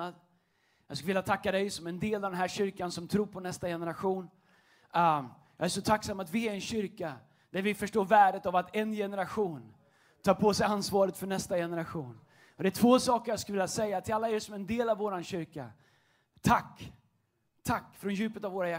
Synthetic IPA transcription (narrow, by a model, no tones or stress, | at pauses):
ad̪ | jɑɡskɵlvɪljat̪ʰakːad̪ɛjsɔmɛnd̪eːlavd̪ɛnɦæːɾɕʏɾkansɔmt̪ʰɾuːɾpʰɔnɛst̪ajɛnəɾaɧuːn | jɑ̰ːæʂɔt̪ʰakːsamːat̪vɪæɾɛnɕʏɾka | d̪̥æɾvɪfœʂʈoːɾvæːɖət̪avat̪ɛnjɛnəɾaɧuːn | t̪ʰɑːɾpʰɔsɛjansvɑːɾət̪fœɳɛst̪ajɛnəɾaɧuːn | ɔd̪ɛæʈtʰvoːsɑːkəɾjɑːɡskɵlvɪljasɛjːat̪ʰɪlalːaeːsɔmɛnd̪eːlavːoːɾanɕʏɾka | t̪ʰakː | t̪ʰakːfɾɔnjʉ̟ːpət̪avoːɾajæ